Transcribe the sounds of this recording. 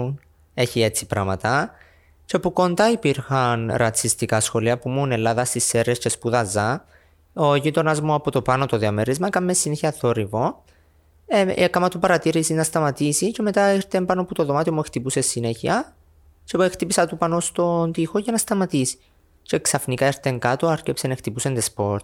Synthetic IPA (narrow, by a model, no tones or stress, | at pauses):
n | e̞çie̞t͡si̥pɾɐmɐt̪ɐ | t͡ʃe̞puko̞nd̪ɐipiɾxɐnɾɐt͡sist̪ikɐsxo̞liɐpumune̞lːɐðɐst̪isːeɾesce̞spuðɐzɐ | oʝit̪o̞nɐzmoɐpot̪o̞pɐno̞t̪oðiɐmeɾizmɐkɐmːesːineçiɐθo̞ɾivo | eekɐmɐt̪upɐɾɐt̪iɾisiznɐst̪ɐmɐt̪isice̞me̞t̪ɐiɾt̪empɐnoput̪o̞ðo̞mɐt̪iomuext̪ipuse̞sːine̞çiɐ | t͡ʃeext̪ipisɐt̪upɐnost̪o̞nt̪ixocenɐst̪ɐmɐt̪isi̥ | ce̞ksɐfnikɐiɾt̪e̞ŋkɐt̪oɐɾcepsenext̪ipuse̞nd̪espo̞ɾt̪